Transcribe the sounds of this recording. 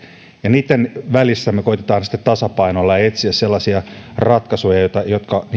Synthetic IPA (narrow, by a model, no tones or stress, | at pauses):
jɑniːt̪ːenʋælisːæmːekoit̪et̪ɑːnsi̥t̪ːet̪t̪ɑsɑpɑinolːɑet̪siæsselːɑsiɑrɑt̪kɑsojɑjot̪ɑjot̪kɑn